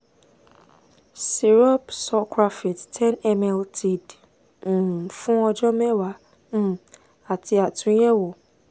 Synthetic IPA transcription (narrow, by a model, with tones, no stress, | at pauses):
si˨ɾɔ˦psɔ˧kɾa˧fi˨ttʰɛ̃˦nɛ˧mɛ˧ltʰi˨d̩̃˨ | fũ˦ɔ˧d͡ʒɔ˦mɛ˦wã˨˦˨ | a˨ti˧a˨tũ˨˦jɛ˦wo˨